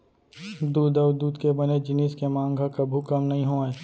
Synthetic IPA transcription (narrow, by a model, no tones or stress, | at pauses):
d̪uːd̪ɐʊd̪uːd̪kebɐned͡ʒɪniskemãːŋɡʱakɐbʱukɐmnɐɦĩɦoːeː